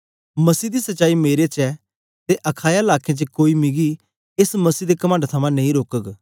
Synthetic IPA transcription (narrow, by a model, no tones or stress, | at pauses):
mɐsiːd̪isɐt͡ʃaːimeːɾet͡ʃɛ | t̪eʔɐkʰaːjaɪlaːkʰẽt͡ʃəkoːimɪɡi | ɪsmɐsiːd̪ekɐmãːɳɖt̪ʰɐmãnẽĩɾoːkək